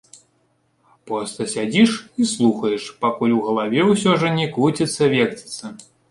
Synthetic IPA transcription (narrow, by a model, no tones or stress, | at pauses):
pɾɔst̪ɐsʲad͡zʲiʂislˠuxɐjɛʂpakulʲuɣɐlˠavʲɛwsʲɔʐɐnʲɛkut͡sʲit̪sːɐvʲɛkt͡sʲi̥t̪sːɐ